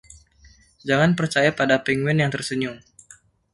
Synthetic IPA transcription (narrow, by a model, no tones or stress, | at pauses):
d͡ʒaŋanpərt͡ʃajapadapɛŋwɛnjaŋt̪ərsəɲʊŋ